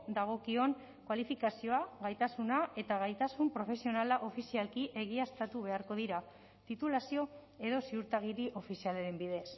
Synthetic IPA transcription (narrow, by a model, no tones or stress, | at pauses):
d̪aɣ̞o̞kio̞n | kwalifikasio̞aɣajt̪asunae̞t̪aɣ̞ajt̪asumpɾo̞fe̞sio̞nalaʔo̞fisialkiʔe̞ɣ̞iast̪at̪uβ̞e̞aɾko̞ð̞iɾa | t̪it̪ulasio̞ | e̞ðo̞siuɾt̪aɣiɾiʔo̞fisialeɾe̞mbiðe̞s